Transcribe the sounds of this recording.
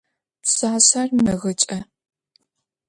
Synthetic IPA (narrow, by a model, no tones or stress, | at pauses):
psaːsaːrmɨɣɐt͡ʃʼɐ